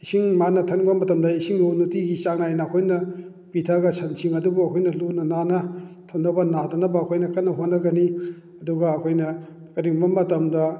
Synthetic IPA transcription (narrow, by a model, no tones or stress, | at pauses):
isiŋmanɐtʰɐnbɐmɐtɐmdɐisiŋlonutiɡisaknajnɐːkʰojnɐ | pitʰɐɡɐsʰɐnsʰiŋɐdubuɐkʰojnɐlunɐnanɐtʰɐnnɐbɐnadɐnɐbɐːkʰojnɐkɐtnːɐɦonːɐɡɐni | ɐduɡɐːkʰojnɐ | kɐɾiŋbɐmɐtɐmdɐ